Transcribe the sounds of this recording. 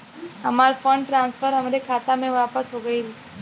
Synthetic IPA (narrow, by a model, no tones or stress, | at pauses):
əmaɾfəɳɖʈɾãnsfəɾəmɾekʰat̪amẽʋapəsɦoɡəil